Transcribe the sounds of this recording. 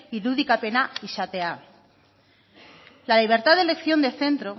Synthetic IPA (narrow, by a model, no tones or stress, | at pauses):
iðuðikape̞naiʃat̪e̞a | laliβ̞e̞ɾt̪aðele̞kθjo̞nd̪eθe̞nt̪ɾo